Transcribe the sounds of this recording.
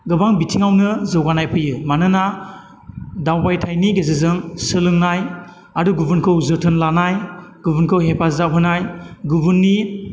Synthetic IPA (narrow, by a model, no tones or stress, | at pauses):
ɡɯbaŋbitʰiŋawnɯzɯwɡanajpʰɯjɯmanɯna | dawbajtʰajniɡezɯzɯŋsɯlɯŋnaj | aduɡubɯnkʰɯwzɯtʰɯnlanajɡubunkʰɯwɦepʰazawɦɯnajɡubunːi